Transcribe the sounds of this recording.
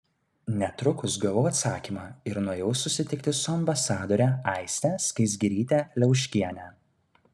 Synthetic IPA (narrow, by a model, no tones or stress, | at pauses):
nʲɛt̪ɾʊkʊsɡɐʋɔʊɐt̪sɑːkʲiːmɑːɪɾnuɔjɛʊsʊsʲɪt̪ʲɪk̚t̪ʲɪsʊɐmbɐsɑːd̪ɔɾʲɛɐˑɪsʲt̪ʲɛskɐɪsʲɡʲiɾʲiːt̪ʲæːlʲɛʊʃʲkʲiɛnʲæː